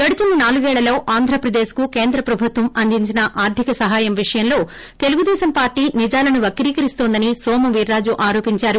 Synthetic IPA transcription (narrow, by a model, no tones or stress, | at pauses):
ɡɐɽut͡ʃuninaːluɡɛːɭːɐlo̞ːʔaːnd̪ʱɾɐpɾɐd̪eːskuke̞ːnd̪ɾɐpɾɐbʱut̪ʋɐmɐnd̪iɲt͡ʃinɐʔaːɾt̪ʰikɐsɐɦaːjɐmʋiʂɐjɐmlo̞ː | t̪eluɡud̪ɛːsɐmpaːɾʈːiːnid͡ʒaːlɐnuʋɐkːɐɾiːkɐɾist̪oːnd̪ɐnisoːmɐʋiːɾːaːd͡ʒuʔaːɾo̞ːpiɲt͡ʃaːɾu